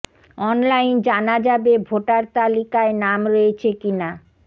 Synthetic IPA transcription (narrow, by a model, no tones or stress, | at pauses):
ɔnlajnd͡ʑanad͡ʑabebʱoʈaɾt̪alikaenamɾoet͡ɕʰekina